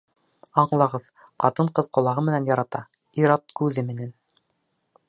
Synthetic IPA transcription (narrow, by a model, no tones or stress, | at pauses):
ɑɴlˠɑʁɤð | qɑt̪ɤɴqɤðqŏlˠɑʁɤmɘ̆nænjɑɾɑt̪ɑ | iɾɑt̪̚kʉðɘmɘ̆næn